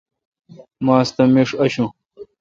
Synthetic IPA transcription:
maːst̪ɐmeʂɐɕũ

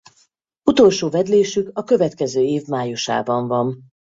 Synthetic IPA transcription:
ut̪o̞lʃoːvɛd̪leːʃykɒkø̞vɛt̪kɛzøːeːvmaːjuʃa̰ːbɒɱvɒn

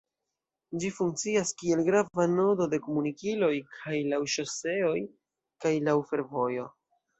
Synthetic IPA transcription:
d͡ʒifuŋk̚t͡siaskie̞lɡɾavano̞do̞de̞ko̞munikilo̞jkʰajlawʃose̞o̞j | kajlawfe̞ɾvo̞jo̞

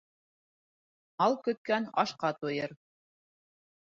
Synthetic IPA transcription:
ɑlˠkɵ̆t̪̚kænɑ̰ʃqɑt̪ujɤɾ

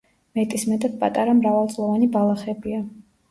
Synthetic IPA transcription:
mɛt̪ʼismɛt̪ʼat̪̚pʼat̪ʼaɾamɾavalˠd̪zʼlˠɔvanibalˠaχɛbia

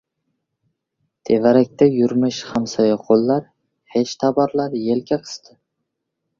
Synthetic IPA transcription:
t̪ʰe̞vaɾak̚ʲt̪ʰajʊɾmɪʃhamsɒjaqʰolˠːaɾ | het͡ʃt̪ʰabɒɾlaɾje̞lkʲaqʰɨ̥st̪ʰɪ

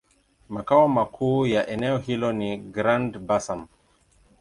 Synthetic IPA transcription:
makaɔmakʰuːjaʔɛnɛɔhilɔniɡɾandbasam

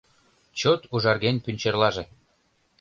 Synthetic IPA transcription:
t͡ɕot̪uʒɑrɣenpynʲt͡ɕerlɑʒĕ

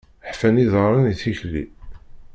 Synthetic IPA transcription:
ħfæniðəɾˤəniθiçlːḭ

